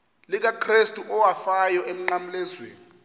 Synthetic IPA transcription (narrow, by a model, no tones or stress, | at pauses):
lik̬akʰristʼuʔɔwafajɔem̩ŋ͡ǃam̩lɛzwḛːni